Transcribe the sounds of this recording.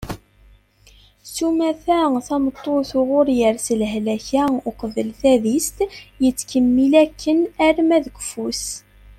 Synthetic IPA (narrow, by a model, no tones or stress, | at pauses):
sumæθæθɑmət̪ˤːoθʊʁʊɾjəɾsəlɦlæçæʊqəðəlθæðist̪jət͡sːkəmːilækːənæɾmæðəɡʷfus